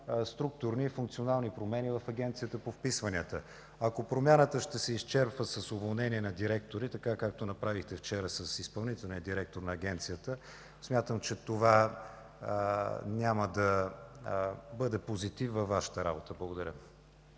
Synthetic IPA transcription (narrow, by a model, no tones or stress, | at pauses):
st̪ɾuk̚t̪ʊɾniːfuŋk̚t̪sionalˠnipɾomɛnʲivɐfɐɡʲɛnt̪sijət̪əpofpisvɐniət̪ə | ɐkopɾomʲjanət̪əʃt̪ɛsɛist͡ʃɛɾpvəsɐsovolˠnɛniɛnɐd̪iɾɛkt̪oɾit̪ɐkakak̚t̪onɐpɾavixt̪ɛft͡ʃɛɾəsəsispɐlˠnit̪ɛlˠnijəd̪iɾɛk̚t̪oɾnɐːɡʲɛnt̪sijət̪ə | smʲjat̪əmt͡ʃɛt̪ova | nʲaməd̪ɐ | bɤd̪ɛpozit̪ivvɐfːaʃə̥t̪əɾa̰bot̪əblˠəɡod̪ɐɾʲə̰